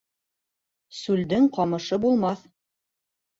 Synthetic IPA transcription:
sʉld̪ɘŋqɑmɤ̆ʃɤbulˠmɑθ

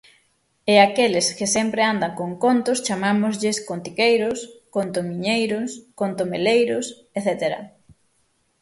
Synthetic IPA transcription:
eakelɪskɪsɛmpɾeand̪aŋkoŋkont̪ʊst͡ʃamamʊzʎɪskont̪ikejɾʊskont̪omiɲejɾʊskont̪omelejɾʊs | eθet̪eɾɐ̰

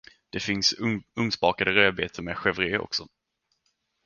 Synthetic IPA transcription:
d̪̥ɛfɪnsɵŋsbɑːkad̪əɾøːbeːt̪ʰəɾmɛɧɛvɾeːʔɔ̰ksɔ

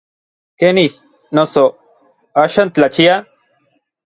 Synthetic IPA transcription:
keni | noso | ɐɕɐnt̪lɐt͡ɕʰija

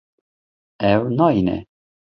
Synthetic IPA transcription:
ɛwnɑinɛ̰

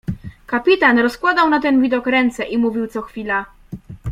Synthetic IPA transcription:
kapʲit̪anɾɔskwad̪awnat̪ɛnvʲid̪ɔkɾɛnt̪sɛʔimuvʲiwt̪sɔxfʲila

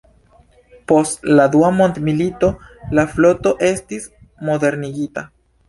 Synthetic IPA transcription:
po̞stlad̪uamo̞nt̪milito̞laflo̞to̞ʔe̞stis | mo̞d̪e̞ɾniɡita

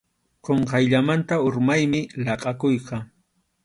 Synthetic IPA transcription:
qoɴqɑjʎamant̪aʊɾmajmɪlɑqʼɑkʊjqɑ

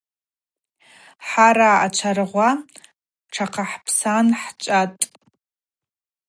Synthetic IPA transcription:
ħaɾaːt͡ʃʷʰarʁʷa | ʈ͡ʂʰaqʰaħpʰsanħt͡ʃʷʼatʼ

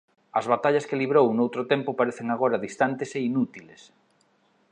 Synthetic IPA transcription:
ɐzβat̪aʎɐskeliβɾownowt̪ɾʊt̪empʊpaɾeθeŋaɣoɾaðist̪ant̪eseinut̪iles

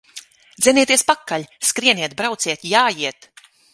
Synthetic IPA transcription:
d̪zʲɛniɛt̪iɛspakːaʎʲskɾiɛniɛt̪̚bɾawt̪siɛt̪ʲjaːjiɛt̪

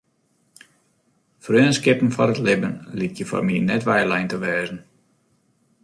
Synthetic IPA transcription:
frøːənskɪpən̩fɔɾətlɪbənlit̚jəfa̰rminɛtʋɛjlɛjntəʋɛːzən̩

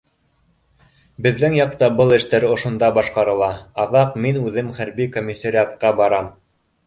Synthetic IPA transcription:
bɘ̆ðːɘŋjɑq̚t̪ɑbɤlˠɘ̆ʃt̪æɾŏʃŏnd̪ɑbɑʃqɑɾɤ̆lˠɑɑðɑqminʉðɘmχæɾbikomʲːisaɾʲiat̪̚qɑbɑɾɑm

